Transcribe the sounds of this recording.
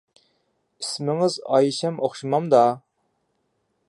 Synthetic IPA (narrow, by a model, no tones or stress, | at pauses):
ismɪŋɪzɑ̰jʃɛmoχʃɨmɑmd̪ɑ